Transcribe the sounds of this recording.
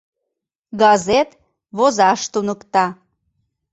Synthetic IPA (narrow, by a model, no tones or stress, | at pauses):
ɡɑzet̪ | βozɑʃt̪unəkt̪ɑ